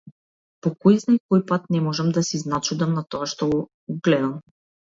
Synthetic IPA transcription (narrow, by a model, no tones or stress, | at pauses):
pɔkɔjznajkɔjpat̪̚nɛmɔʒamd̪asiznat͡ʃud̪amnat̪ɔaʃt̪ɔɡɔ | ɡlɛd̪am